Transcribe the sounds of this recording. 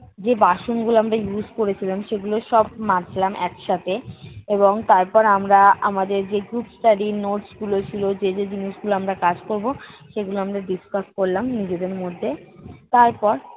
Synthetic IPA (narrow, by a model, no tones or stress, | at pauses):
d͡ʑebaʃonɡuloamɾajuzkoɾet͡ɕʰilamʃeɡuloʃɔbmat͡ɕʰilamʔɛkʃat̪ʰeeβoŋt̪aɾpɔɾamɾaamad̪eɾd͡ʑeɡɾupsʈaɖinoʈsɡulot͡ɕʰilod͡ʑed͡ʑed͡ʑiniʃɡuloamɾakad͡ʑkoɾboʃeɡuloamɾaɖiskaskoɾlamnid͡ʑed̪eɾmod̪ʱːet̪aɾpɔɾ